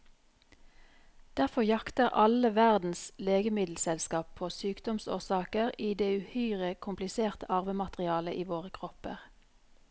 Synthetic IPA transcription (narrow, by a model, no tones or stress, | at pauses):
d̪̥æʁfɔʁjɑkt̪əʁʔɑləʋæʁd̪n̩sleːɡəmɪd̪l̩sɛlskɑːpʰoːsyːkd̪ɔmso̰ːʁsɑːkəʁiːd̪eːʉhyʏʁəkʰʊmplɪseːʁt̪əʔɑʁʋəmɑt̪ʁɪɑːləʔiːʋoːʁəkʰʁɔpə̰ʁ